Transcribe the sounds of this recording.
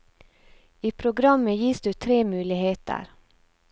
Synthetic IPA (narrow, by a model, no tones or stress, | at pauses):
iːpʰɾʊɡɾɑməjiːsd̪ʉːt̪ʰɾeːmʉːlɪheːt̪ʰə̰ɾ